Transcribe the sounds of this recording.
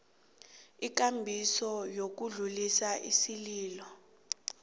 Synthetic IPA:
ik̬ambʱisɔjok̬uɮulisaʔḭsiliːlɔ

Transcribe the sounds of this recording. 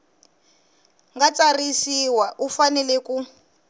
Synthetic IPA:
ŋɡat͡sarisiwaʔufanɛlɛku

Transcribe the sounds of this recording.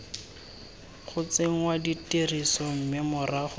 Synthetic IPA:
χʊt͡seŋ̩waditerisɔm̩mɪmʊraχʊ

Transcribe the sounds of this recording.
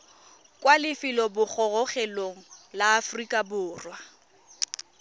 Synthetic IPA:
kʼwalɪfɪlɔbʊk͡xʰɔɣɔχɛloŋ̩laːfrikʼabʊːrwa

